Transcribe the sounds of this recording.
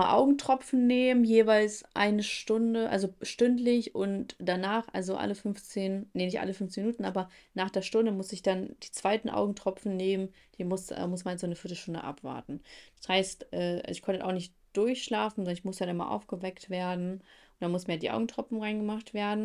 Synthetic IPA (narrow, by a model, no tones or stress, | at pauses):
aʔa̰ʊɡŋ̩tʁ̥ɔpp͡fn̩neːmənjeːvaɪlsʔa̰ɪnəʃtʊndəʔa̰lzoʃtʏntlɪçʊntd̥anaːχʔa̰lzoʔa̰ləfʏnft͡seːnnenɪçtʔa̰ləfʏnftt͡seːnminuːtn̩ʔa̰ːbɐnaːχd̥eːɐʃtʊndəmʊsɪçd̥and̥iːt͡sv̥aɪtn̩ʔa̰ʊɡŋ̩tʁ̥ɔpp͡fn̩neːmən | d̥iːmʊsɛ̰ːmʊsmanjasz̥oːnəfɪɐtl̩ʃtʊndə̰ʔa̰pv̥a̰ːɐtn̩d̥ḁshaɪstʔɛːʔa̰lzoɪçkʰɔntəʔa̰ʊxnɪçt | d̥ʊɐçʃlaːfn̩zɔndɐnɪçmʊsanɪnma̰ʔa̰ʊfɡ̥əvɛktv̥eːɐdn̩ʔʊnd̥anmʊsm̩iːɐjadiʔa̰ʊɡŋ̩tʁ̥ɔpfn̩ʁaɪnɡəmaχtv̥eːɐdn̩